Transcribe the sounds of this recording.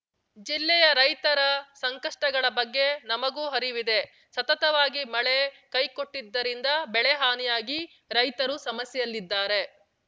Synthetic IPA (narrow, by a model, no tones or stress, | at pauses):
d͡ʒilːɛjɐɾɐjt̪ɐɾɐsɐŋkɐʂʈɐɡɐɭɐbɐɡːe̞nɐmɐɡuːɦɐɾiʋid̪e | sɐt̪ɐt̪ɐʋaːɡimɐɭe | kɐjko̞ʈːid̪ːɐɾind̪ɐbɛɭɛɦaːnijaːɡi | ɾɐjt̪ɐɾusɐmɐsjɛjɐlːid̪ːaːɾe̞